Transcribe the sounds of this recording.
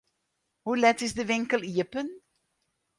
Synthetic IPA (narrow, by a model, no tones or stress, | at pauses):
hulɛtɪsdəʋɪŋkəlˠiəpən